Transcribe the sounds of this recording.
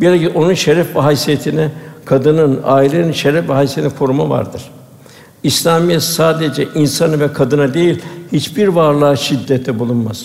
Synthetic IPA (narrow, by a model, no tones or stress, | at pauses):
bilʲeciʔo̞nunʃeɾɛfbaɦajsijet̪ʰinɛkʰad̪ɯnɯnaːilʲeninʃeɾɛfvaɦajsit̪ʰinɛkʰo̞ɾumava̰ɾd̪ɯɾ̥ | islʲamijɛt̪saːd̪ed͡ʒɛʔinsanɯvɛkʰad̪ɯnad̪e̞jilʲhit͡ʃbiɾvaɾlˠaːʃid̪ːɛt̪ʰːɛbulˠunmaz